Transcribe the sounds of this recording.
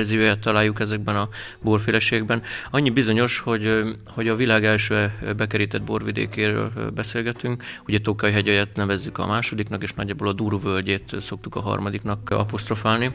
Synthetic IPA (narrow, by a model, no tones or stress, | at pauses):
rzijojat̪ːɒlaːjːukɛzɛɡ̚bɛnɒ | boːrfeːlɛʃeːɡ̚bɛnɒɲːibizo̞ɲo̞ʃho̞ɟ | ho̞ɟɒvilaːɡɛlʃøːɛbɛkɛɾiːt̪ɛd̪̚bo̰rvid̪ḛːkeːɾø̰ːlbɛseːlɡɛt̪yŋkuɟɛt̪okɒjiɦɛɟɛjɛt̪nɛvɛzːykɒ̰maːʃo̞d̪iknɒkeːʃnɒ̰ɟːaːboːlɒd̪uːɾuvølɟeːt̪so̞kt̪ukɒ̰ɦɒ̰rmɒd̪iknɒkɒ̰post̪ro̞faːlni